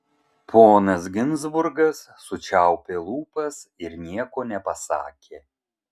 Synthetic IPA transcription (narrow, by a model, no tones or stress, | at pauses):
poːnɐs̬ɡʲɪnzbʊɾɡɐsːʊt͡ʃʲæˑʊpʲeːlˠuːpɐsɪɾnʲiɛkoːnʲɛpɐsɑ̰ːkʲʰeː